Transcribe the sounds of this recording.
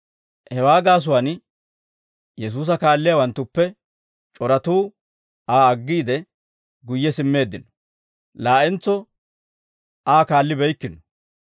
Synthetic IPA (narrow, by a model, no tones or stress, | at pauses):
hɛwaːɡaːs̬ʊwɐn | jɛs̬uːs̬ɐkaːlːɪjawɐnt̪ːʊpːɛ | t͡ʃʼɔɾɐt̪uː | aːɐɡːiːd̪ɛ | ɡʊjːɛsɪmːe̞ːd̪ːɪnɔ̥ | laːʔɛnt͡sːɔ | aːkaːlːɪbɛjkːɪnɔ̥